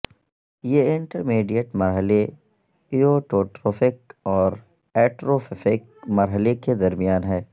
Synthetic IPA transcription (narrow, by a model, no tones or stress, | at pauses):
jeɪɳʈəɾmeːɖijəʈmɐɾɦəle | ioʈoːʈɾoːfɪkɔːɾ | ɛːʈɾoːfɪfɪk̚ | mɐɾɦəleked̪ɐɾmijaːnɦɛː